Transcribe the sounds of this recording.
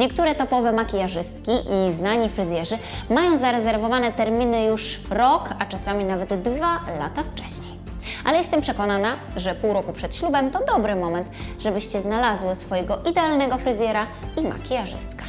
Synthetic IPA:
ɲɛkt̪uɾɛt̪ɔpɔvɛmakʲijaʐɘst̪̚kʲiʔiznaɲifɾɘzʲjɛʐɘ | majɔ̃w̃zaɾɛzɛɾvɔvanɛt̪ɛɾmʲinɘjuʂɾɔkat͡ʂasamʲinavɛd̪ːvala̰t̪aft͡ʂɛɕɲej | ʔalɛjɛst̪ɛmpʂɛkɔnana | ʐɛpuwɾɔkupʂɛt̪ɕlubɛmt̪ɔd̪ɔbɾɘmɔmɛnt̪ʐɛbɘɕt͡ɕɛznalazwɘsfɔjɛɡɔʔid̪ɛalnɛɡɔfɾɘzʲjɛɾaima̰kʲijaʐɘ̰st̪kḁ

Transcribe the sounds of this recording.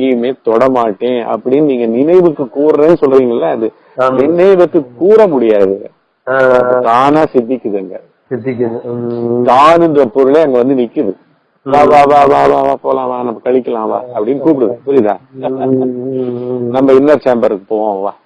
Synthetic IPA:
ŋɡejɯmeːt̪ɔɽɐmaːʈːẽːɐ̰pːɐɽɪnːɯniːŋɡɐnɪnɐɪʋɯkːɯkuːɾɾẽːnːɯsɔlɾɐɾiːŋɡɐlːɐːðɯ | nɪnɐɪʋɯkːɯkːuːɾɐmʊɽɪjaːðɯɐ | t̪aːnãːsɪd̪ːɪkːɯðɯŋɡɐ | sɪd̪ɪkː | t̪aːnɯndɾɐpɔɾɯleːɐŋɡɐʋɐnd̪ɯnɪkːɯðɯ | ʋaːʋaːʋaːʋaːʋaːʋaːpoːlãːʋaːnɐmːɐkɐɻɪkːɐlãːʋa̰ːɐpːɐɽɪnːɯkuːp̬ɪɽɯðɯpʊɾɪða̰ː | nɐmːɐɪnːɐɾt͡ʃeːmbɐɾɯkːɯpoːʋõːʋa̰ː

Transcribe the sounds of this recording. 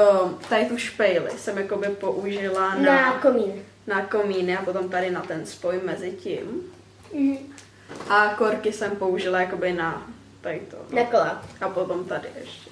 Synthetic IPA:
ot̪ajɪt̪uʃpɛjlɪ̰sɛmjako̞bɪpo̞ʔuʒɪlanakomiːnɪ | nakomiːnɪapot̪o̞mt̪adɪnat̪ɛnspojmɛzɪcɪ̰m̩ | ʔakoɾkɪsɛmpo̞uʒɪlajako̞bɪna | t̪ajt̪o̰nakolaʔapot̪o̞mt̪adɪʔɛʃcɛ̥

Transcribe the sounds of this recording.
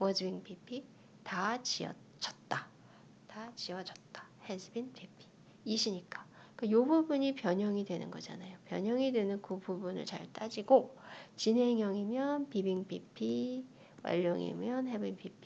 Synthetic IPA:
wʌd͡ʑibiŋpʰipʰi | tat͡ɕiʌ̰ | t͡ɕ͈ʰʌ̥t̚t͈a | tat͡ɕiwʌd͡ʑʌt̚t͈ḁhesʰɯbinpʰipʰi̥ | iɕʰiɲik͈ḁ | kajobubuɲipjʌɲʌŋidwe̞nɯ̰nɡʌd͡ʑa̰najopjʌ̰ɲʌŋidwe̞nɯnkububunɯ̰ɭt͡ɕa̰ɭt͈ad͡ʑiɡot͡ɕine̞ŋjʌŋimjʌnpibiŋpʰipʰi | wa̰ʎːʌŋḭmjʌnɦebinpʰipʰi

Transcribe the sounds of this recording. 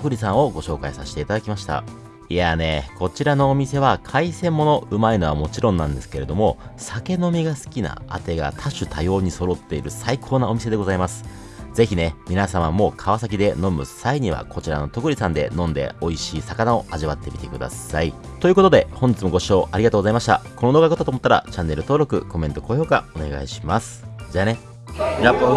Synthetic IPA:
tokɯ̟ɾʲisãɰ̃o̞ɡo̞ɕo̞ːkaisaɕi̥t̪e̞it̪ad̪akʲimaɕi̥t̪a̰ | iane̞kʰo̞t͡ɕiɾano̞ːmʲise̞βakʰaisẽ̞mːo̞no̞ɯ̟maino̞β̞amo̞t͡ɕiɾõ̞nːãnd̪e̞sɨ̥ke̞ɾe̞d̪o̞mo̞sake̞no̞mʲiɡasɨ̥kʲina̰a̰t̪e̞ɡa̰t̪ʰaɕɨt̪ʰajo̞ːɲ̟iso̞ɾo̞t̪ːe̞iɾɯ̟saikʰo̞ːnao̞mʲis̬e̞d̪e̞ɡo̞zaimasɨ̥ | d͡ze̞çine̞mʲinasamamo̞ːkʰaβasak̬ʲid̪e̞no̞mɯ̟saiɲ̟iβa̰kʰo̞t͡ɕiɾa̰no̞t̪o̞kɯ̟ɾʲisãnd̪e̞̰nõ̞nd̪e̞̰o̞iɕiːsakanao̞ʔaʑiβat̪ːe̞mʲi̥t̪e̞kɯ̟d̪a̰sai | t̪o̞jɯ̟kot̪o̞d̪e̞hoɲ̟d͡ʑit͡sɨmo̞ɡo̞ɕo̞ːʔaɾiɡat̪oɡzaimaɕi̥t̪a̰kʰo̞no̞d̪oɡakot̪ːat̪omo̞t̪ːaɾa̰t͡ɕãnːe̞ɾɯ̟t̪o̞ːɾo̞kɯ̟̰ko̞mẽ̞nt̪o̞ko̞ːço̞ːkao̞ne̞̰ɡa̰iɕi̥masɨ̥d͡ʑane

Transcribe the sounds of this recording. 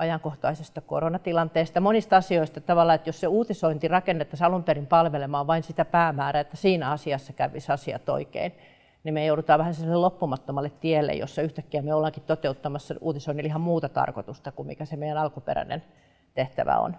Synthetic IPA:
ɑjɑŋkoht̪ɑisest̪ɑko̰ronɑt̪ilɑnt̪eːst̪ɑmonist̪ɑsioist̪ɑt̪ɑʋɑlːɑet̪josseuːt̪isoint̪irɑkenːet̪ːɑsɑlumperimpɑlʋelemɑːʋʋɑinsit̪æpæːmæːræet̪ːæsiːnæɑsiɑsːɑkæʋʋisɑsiɑ̰t̪o̰ikḛin | nimejouɾut̪ɑːʋæhæsilːelopːumɑt̪ːomɑlːet̪t̪ielːḛjo̰sːɑyht̪ækːiæmeolːɑŋkit̪t̪ot̪eut̪ːɑmɑsːɑʔuːt̪isoinilihɑmmuːt̪ɑt̪ɑ̰rko̰t̪ust̪ɑkummḭkæsemeijˑænɑlkupḛɾæ̰nḛn | t̪eht̪æ̰ʋæ̰o̰n

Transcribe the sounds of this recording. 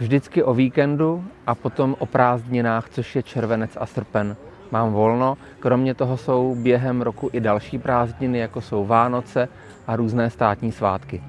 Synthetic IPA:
vʒdɪt͡skɪʔo̞viːkɛnduʔapo̞t̪o̞mʔo̞pɾaːzdɲɪnaːxt͡so̞ʃjɛt͡ʃɛɾvɛnɛt͡sa̰sr̩pɛn | maːmvo̞lno̞ | kɾo̞mɲɛt̪o̞ɦoso̞wbjɛɦɛmɾo̞kuʔɪdalʃiːpɾaːzdɲɪnɪjakoso̞wvaːno̞t͡sɛ | ʔaɾuːznɛːst̪aːt̪ɲiːsvaːt̪kɪ

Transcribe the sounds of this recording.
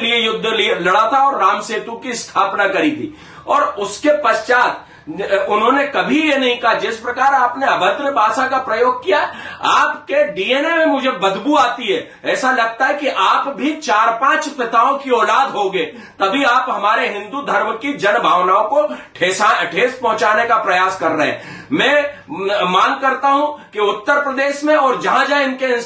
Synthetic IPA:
liejʊd̪ʱːlilɐɽat̪ʰaɔːɾːaːmseːt̪ũkist̪ʰaːpnakɐɾit̪ḭː | ɔːɾʊskepɐʃt͡ʃaːt̪ | ʊnɦõːnekɐbʱijenɐɦĩkɐɦad͡ʒɪspɾɐkaːɾaːpneɐbʱə̃t̪ɾəbʱaːsakapɾɐjoːɡ̚kijaɦɛaːpkeɖiːeːnemẽmʊd͡ʒʱebɐd̪ʱbuaːt̪iɦɛ | ɛːsalɐɡ̚t̪aɦɛkiʔaːpbʱit͡ʃaːɾpãːt͡ʃpɪt̪aːõkiɔːlaːd̪ɦoɡeː | t̪ɐbʱiaːpɦɐmaːɾeɦɪ̃nd̪ud̪ʱɐɾmkid͡ʒɐnbʱaːʋnaːõkoʈʰeːsaʈʰeːspɐ̃ɦʊ̃t͡ʃaːnekapɾɐjaːskɐɾːəɦɛ̰̃ː | mɛ̃ː | maːnkɐɾt̪aɦũkiʊt̪ːəɾpɾəd̪eːʃmẽɔːɾd͡ʒɐɦãd͡ʒaɪnkeɪ̃n

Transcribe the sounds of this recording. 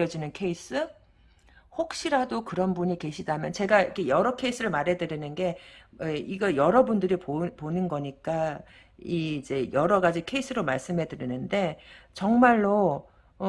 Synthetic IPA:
ʌd͡ʑinɯnkʰe̞is͈ʰɯ | ɸok̚ɕ͈iɾadokɯɾʌnbuɲike̞ɕʰidamjʌnt͡ɕe̞ɡaikʰe̞jʌɾʌkʰeis͈ʰɯɾɯɭmaɾɦe̞dɯɾinɯnɡe̞eiɡʌjʌɾʌbundɯɾipoponɯnɡʌɲik͈a | iːd͡ʑe̞jʌɾʌɡad͡ʑikʰe̞is͈ʰɯɾomaɭs͈ɯmɦe̞dɯɾinɯnde̞t͡ɕʌŋmaɭːo

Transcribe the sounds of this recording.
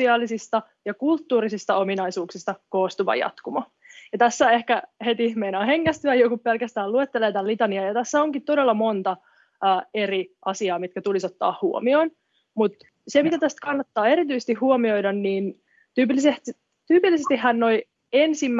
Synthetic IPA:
iɑːlːisist̪ɑ | jɑkult̪ːuːɾisist̪ɑominɑisuːksist̪ɑkoːst̪uʋɑ̰jɑ̰t̪kumɑ | jɑt̪æsːe̞hkæhet̪ihmeinohe̞ŋːæst̪yæjokuppelkæst̪æːluet̪ːeleːt̪ɑllit̪ɑniɑjɑt̪æsːæoŋkit̪t̪o̞delːɑmo̞nt̪ɑː | eriʔɑsiɑːmit̪̚kæt̪ulisot̪ːɑ̰ːhhuo̰mio̞n | mut̪ | semit̪æt̪æst̪kɑnːɑt̪ːɑːe̞ɾit̪yisest̪ihhuomio̞jdɑnniːn | t̪yːpilːiset̪ | t̪yːpilːisest̪ihːænno̞i | ensimː

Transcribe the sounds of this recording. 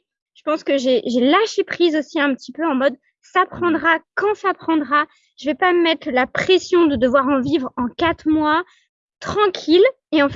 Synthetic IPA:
ʒ̥əpɑ̃skəʒeʒelaʃepχizosiɛ̃pət̪ipøɑ̃mɔd̪ | sapχɑ̃d̪ʁakɑ̃sapχɑ̃d̪ʁa | ʒ̥əvɛpamɛt̪χəlapχɛsjɔ̃d̪əd̪əvwaʁɑ̃vivʁɑ̃kat̪χmwa | t̪χɑ̃kʲʰil | eɑ̃f

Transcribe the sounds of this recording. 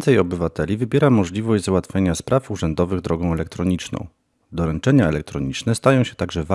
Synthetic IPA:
nt̪sɛjɔbɘvat̪ɛlʲivɘbʲjɛɾamɔʐlʲivɔʑd͡ʑzwat̪fʲjeɲaspɾʔafuʐɛnd̪ɔvɘɣd̪ɾɔɡɔ̃w̃ɛlɛk̚t̪ɾɔɲit͡ʂnɔ̰̃w̃ | d̪ɔɾɛnt͡ʂɛɲaɛlɛk̚t̪ɾɔɲit͡ʂnɛst̪ajɔ̃w̃ɕɛ̥t̪aɡʐɛva

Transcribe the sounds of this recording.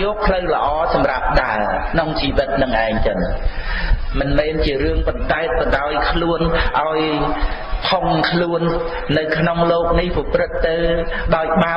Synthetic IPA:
ɔːk̚pʰləwlə̆ʔɑːsɑmrap̚ɗaəlkʰnoŋt͡ɕiːʋɨt̪̚nɨŋʔaɛŋt͡ɕən | mɨnmɛːnt͡ɕiəɾɨəŋpɑnt̪aɛt̪̚pəɗaɔjkʰluənʔaɔj | pʰoŋkʰluənː | ɨwkʰnoŋloːk̚nihpɔprɨt̪̚ːɨwɗaɔjɓa

